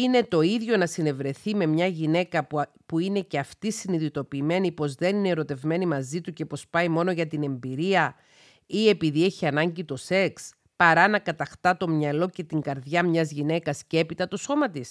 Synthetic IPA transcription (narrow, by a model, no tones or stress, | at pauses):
ine̞t̪o̞iðʝo̞nɐsine̞vɾe̞θime̞mɲɐʝine̞kɐ | puine̞ce̞ɐft̪isiniðit̪o̞piːme̞nipo̞zðe̞nineeɾo̞t̪e̞vme̞nimɐzit̪uce̞po̞spɐjimo̞no̞ʝɐt̪ine̞mbiɾiɐ | ie̞piðie̞çiɐnɐɲɟit̪o̞se̞ks | pɐɾɐnɐkɐt̪ɐxt̪ɐt̪o̞mɲɐlo̞ce̞t̪iŋɡɐɾðjɐmɲɐzʝine̞kɐsce̞pit̪ɐt̪oso̞mɐt̪is